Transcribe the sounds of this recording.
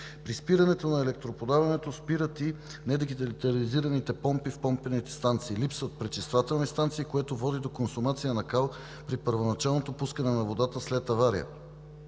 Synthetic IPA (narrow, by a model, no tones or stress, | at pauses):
pɾispiɾɐnɛt̪onɐɛlɛk̚t̪ɾopod̪avɐnɛt̪ospiɾət̪i | nɛd̪iɡit̪lt̪ɐliziɾɐnit̪ɛpɔmpifpɔmpɛnit̪ɛ̥st̪ant̪siːlipsvət̪̚pɾɛt͡ʃɛst̪vat̪ɛlˠnist̪ant̪siːkoɛt̪ovɔd̪id̪okonsʊmat̪sijənɐkalˠ | pɾipəɾvonɐt͡ʃalˠnot̪opuskənɛnɐvod̪at̪əslɛt̪ːɐvaɾijə̰